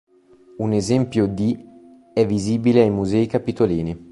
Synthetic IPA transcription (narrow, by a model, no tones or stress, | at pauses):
unezɛmpjod̪i | ɛvːiziːbileajmuzɛːikapit̪oliːni